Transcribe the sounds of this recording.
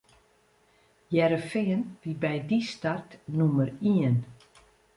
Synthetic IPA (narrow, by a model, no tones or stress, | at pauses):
jɛɾəfɪənʋibɛjdistartnuməriən